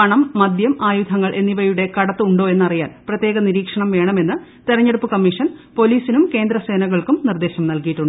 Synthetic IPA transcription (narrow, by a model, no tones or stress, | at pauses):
ɐɳɐmːɐd̪jɐmaːjud̪ʱɐŋːɐɭʔe̞nːiʋɐjuɽe̞kɐɽɐt̪ːɨuɳɖo̞ːe̞nːɐrijaːnprɐt̪je̞ːɣɐniɾiːkʂɐɳɐmʋe̞ːɳɐme̞nːɨ | t̪iɾɐɲːeɽupːɨkɐmːiʂɐnpo̞liːsinumke̞ːnd̪ɾɐse̞ːnɐɣɐɭkumnird̪e̞ːɕɐmnɐlkijiʈːuɳɖ